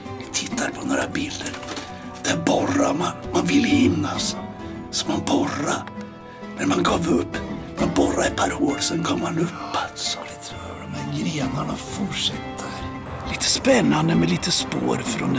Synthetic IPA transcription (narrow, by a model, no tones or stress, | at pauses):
ɪt̪ʰɪt̪ʰːaɾpʰɔnoːɾa̰bɪld̪əɾ | d̪̥ɛbɔramanmanvɪlːəhɪmnas | sɔmanbɔra | næɾmanɡɑːvɵpːmanbɔɾːaɪpʰaɾhoːlsɛnɡɔmmanɵp̪ːs | mɛnɡɾeːnaɳafʊʈʂɛt̪ʰːə | liːt̪ʰə̥spɛnːand̪əmɛliːt̪əspo̰ːɾfɾɔn